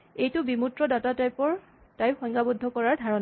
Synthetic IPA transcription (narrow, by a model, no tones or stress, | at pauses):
ejtʊbimutɹɔdatatajpɔɹ | tajpxɔjŋɡabɔdʱːɔkɔɹaɹdʱaɹɔn